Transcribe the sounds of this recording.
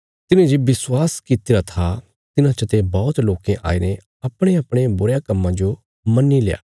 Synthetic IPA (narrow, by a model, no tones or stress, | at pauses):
t̪ɪnẽd͡ʒeʋɪswaːskɪt̪ɪɾat̪ʰa | t̪ɪnãt͡ʃɐt̪ebɔːʊt̪loːkẽʔa̰ːinẽ | ɐpɽ̃eɐpɽ̃ebʊɾjakɐmːãd͡ʒo | mɐnːileja̰ː